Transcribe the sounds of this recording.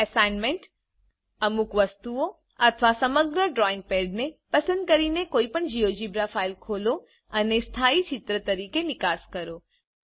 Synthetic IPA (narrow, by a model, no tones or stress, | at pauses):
ɛsanmẽɳʈ | əmukʋəst̪uo | ət̪ʰəʋasəməɡɾəɖɾɔɪ̃ŋɡ̚peɖnepəsə̃nd̪̚kəɾinekoːipəɳd͡ʒiod͡ʒibɾafailkʰolo | ənest̪ʰait͡ʃɪt̪ɾət̪əɾikenɪkaskəɾo